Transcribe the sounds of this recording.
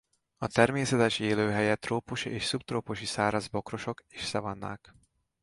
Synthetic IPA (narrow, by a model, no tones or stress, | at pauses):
ɒt̪ɛrmeːsɛt̪ɛʃeːløːɦɛjɛt̪roːpuʃiʔeːʃsupt̪roːpoʃisaːɾɒzbo̞kro̞ʃo̞ke̥ːʃsɛvɒnːa̰ːk